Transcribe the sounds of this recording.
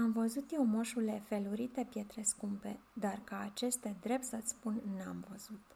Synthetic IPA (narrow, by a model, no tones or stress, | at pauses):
amvəzut̪jewmoʃule̞fe̞luɾit̪e̞pje̞t̪ɾe̞skumpe̞d̪arkaːt͡ʃe̞st̪ed̪ɾe̞p̚t̪sət̪sʲspunːa̰mvəz̥ut̪